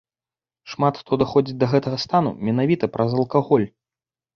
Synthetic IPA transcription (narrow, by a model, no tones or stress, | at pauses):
ʂmat̪xt̪ʰɔd̪axɔd͡zʲit͡sʲd̪ɐɣɛt̪ɐɣɐst̪anṵmʲɛnavʲit̪ɐpɾʔɐzɐlˠkaɣɔlʲ